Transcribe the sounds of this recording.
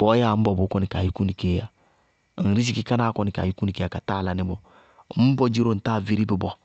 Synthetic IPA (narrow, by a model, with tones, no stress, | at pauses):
b̥ɔ˨˦ja˦˨m̩˦bɔ˨bʊ˨˦kɔ˦ni˨ka˨ji˦ku˦ni˨ke˦ja˨ | n̩˨ɾi˦si˦ki˦ka˦na˦kɔ˦ni˨ka̰˨i˦ku˦ni˨ke˦a˨ka˨ta˦˨la˨nɪ˨bɔ˨˦ | m̩˦bɔ˦d͡ʒi˦ɾo˦n̩˨ta˦˨vi˦ɾi˦bi˨bɔ˨